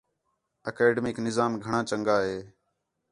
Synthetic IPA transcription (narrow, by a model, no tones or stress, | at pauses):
əkeːɖemɪknɪzaːmɡʱəɳãːt͡ʃəŋɡaːɦeː